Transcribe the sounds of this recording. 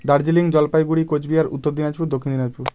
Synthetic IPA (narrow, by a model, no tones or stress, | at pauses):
d̪aɾd͡ʑiliŋd͡ʑɔlpajɡuɽikod͡ʑbijaɾṵt̪ːoɾd̪inad͡ʑpuɾd̪okʰːind̪inad͡ʑpʰuɾ